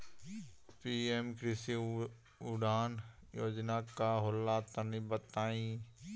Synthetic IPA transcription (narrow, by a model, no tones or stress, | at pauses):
piːemkɾɪsi | ʊɖaːn | joːd͡ʒnakaɦolːat̪ənibət̪aːĩː